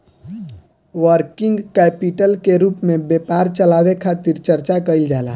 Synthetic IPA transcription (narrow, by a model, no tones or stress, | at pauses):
ʋəɾkɪŋɡkɛpiʈəlkeɾuːpmẽbjepaːɾt͡ʃəlawekʰat̪iɾt͡ʃəɾt͡ʃakəild͡ʒaːla̰